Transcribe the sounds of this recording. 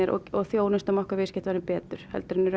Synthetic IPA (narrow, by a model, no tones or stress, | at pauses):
ɛɾʔɔ̰ɔθjoːwnɪst̪amɔhkavɪscɪht̪vanɪpɛːt̪ʏɾ̥hɛ̰lt̪ʏɾɪnːɪɾ